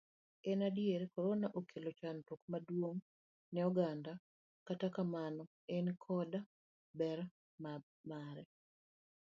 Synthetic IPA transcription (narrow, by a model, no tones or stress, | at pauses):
ɛnadjeɾekoɾonaʔokʰelot͡ʃantok̚madwoŋ | nɛɔɡanda | katakamanɔ | ɛnkʰɔda | bɛɾ | ma | maɾɛ